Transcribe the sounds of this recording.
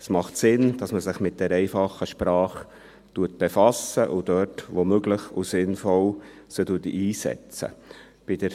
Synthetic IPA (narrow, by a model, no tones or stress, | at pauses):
smɑχtsɪnd̥ɑsməsɪχmɪt̚d̥ɛɾɛɪfɑχəʃpɾɑːχ | tuət̚b̥ɛfɑsəʔʊd̥œtʋomøɡləχusɪnfɔlsətuətʔiːsɛ̰t͡sə̰ | b̥id̥ə